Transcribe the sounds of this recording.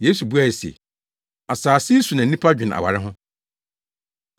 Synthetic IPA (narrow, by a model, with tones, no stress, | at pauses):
je˦su˨bu˦a˦˨e˨sḛ˨ | a˨saː˨si˦su˨nã˨n̩˦nĩ˦pʰa˦d͡ʑᶣɪ̃˨na̰˨wa̰˨ɾɪ˦ɦʊ̃˦